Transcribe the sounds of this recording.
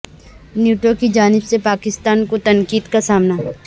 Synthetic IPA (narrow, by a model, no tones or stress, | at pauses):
njuːʈokid͡ʒaːnɪbsepaːkɪst̪aːnkot̪ɐ̃ŋkiːd̪kasaːmna